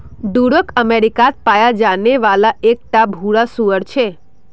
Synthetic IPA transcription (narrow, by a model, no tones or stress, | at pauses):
d̪uɽəkəmeɾikat̪̚pajad͡ʒaneʋalaʔek̚ʈabʱuɭasuʋəɽt͡ʃʰe